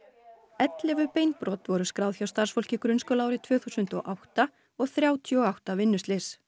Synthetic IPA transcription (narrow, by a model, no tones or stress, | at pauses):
ɛt̪lɛvʏpeːjnpɾɔːt̪vɔɾʏskɾaːwðçjawst̪aɾ̥sfowl̥cɪkɾʏnskɔlaːwɾɪt̪ʰv̥œːθusʏnt̪ɔ̰ʔawht̪a | ɔɣθɾjaːwt̪ʰiɔɣawht̪avɪnːʏst̪lɪs